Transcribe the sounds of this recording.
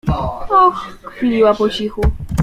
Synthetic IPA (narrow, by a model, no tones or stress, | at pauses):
ɔxkfʲilʲiwapɔt͡ɕixu